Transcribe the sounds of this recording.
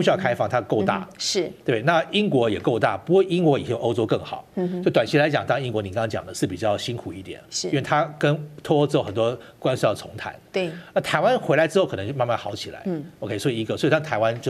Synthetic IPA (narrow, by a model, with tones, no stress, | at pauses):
u˥˩ɕy˥ɑ˥˩kʰa˥ɪfɑ˥ŋt̪ʰa˥ko˥˧ʊt̪a̰˥˩ʂɻ̩˥˩t̪wna˥˨˩i˥ŋkwɔ˧˥jɛ˨˩ko˥˧ʊt̪a̰˥˩pu˧˥kwu˥˩i˥ŋkwɔ˧˥i˨˩t͡ɕʔo˥ʊʈ͡ʂo˥ʊkɤ˥˩ŋxɑ̰˨˩˦ʊt͡ɕt̪wa˨˩nt͡ɕʰi˥la˧˥ɪt͡ɕjɑ̰˨˩˦ŋt̪ɑ˥ŋi˥ŋkwɔ˧˥ni˨˩kŋɑ˥ŋt͡ɕjɑ̰˨˩ŋd̪ə˦ʂɻ̩˥˩pi˨˩t͡ɕjɑ˥˩ʊɕi˥nkʰu˨i˥˩t̪jɛ̰˨˩ni˥we˥˩t̪ʰa˥kə˦nt̪ʰɔ˥o˥ʊʈ͡ʂɻ̩˥˩ə˨˩nt̪wɔ˥kwa˥nswe˥˩˥t͡sʰʊ˧˥ŋt̪ʰa̰˧˥˦n˩ə˧˥t̪ʰa˧˥ɪwa˦nxwe˧˥ɪla˧˥ɪʈ͡ʂɻ̩˥xo˥˩kʰɤ˨˩nə˧˦t͡ɕma˥˧nma˥˩nxɑ˧˥ʊt͡ɕʰi˨˩la̰˧˦ɪo˧kʰe˥˧swɔ˧˥i˨˩i˧˥ɡə˨swɔ˧˥i˨˩ʈ͡ʂɑ˥˩ŋt̪ʰa˧˥ɪwa˦nt͡ɕjo˥˧